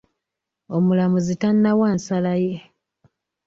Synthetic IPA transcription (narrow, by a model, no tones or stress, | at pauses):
o̞mulamuzitanːawaːnsalaje̞